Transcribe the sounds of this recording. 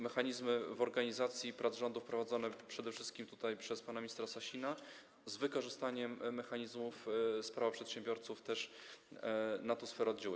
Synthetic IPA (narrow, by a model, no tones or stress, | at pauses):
mɛxaɲizmɘvɔɾɡaɲizat̪sʲjipɾʔad̪zʐɔnd̪ufpɾɔvad̪zɔnɛpʂɛd̪ɛfʂɘ̥st̪kʲimt̪u̥t̪ajpʂɛspanamʲɲist̪ɾasaɕina | zvɘkɔʐɘst̪aɲɛmːɛxaɲizmufspɾavapʂɛt̪ɕɛmbʲjɔɾt̪suft̪ɛʂ | nat̪ɔsfɛɾɔd̪d͡ʑaw